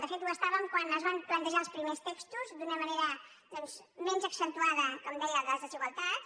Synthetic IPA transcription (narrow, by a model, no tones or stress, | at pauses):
d̪əfet̪uəst̪aβəmkwanəzβamplənt̪əʒaəlˠspɾimest̪ekst̪uzd̪unəməneɾə | d̪̥ɔnz | mɛnzəksənt̪uaðəkɔmd̪ɛjəðəzðəʒiɣəlˠt̪at̪